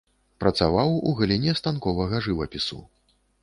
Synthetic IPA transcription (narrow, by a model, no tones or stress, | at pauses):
pɾɐt̪savawuɣɐlʲinʲɛst̪ankɔvɐɣɐʐɨvɐpʲisṵ